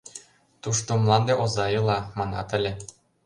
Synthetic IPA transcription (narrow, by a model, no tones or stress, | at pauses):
t̪uʃt̪omlˠɑnd̪eʔozɑjɤ̆lˠɑmɑnɑ̰t̪ə̆lʲĕ